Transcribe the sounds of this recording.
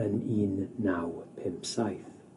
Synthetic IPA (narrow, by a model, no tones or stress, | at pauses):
əniːnːawpʰɪmpsajθ